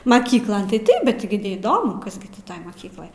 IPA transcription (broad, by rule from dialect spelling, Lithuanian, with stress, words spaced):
mɐˈkʲiːklˠoːn tɐɪ ˈtɐɪp bʲɛt ɡʲɪ nʲɛiːˈdoːmʊ ˈkɐs ɡʲɪ tʲɪ ˈtoːj mɐˈkʲiːklˠoːj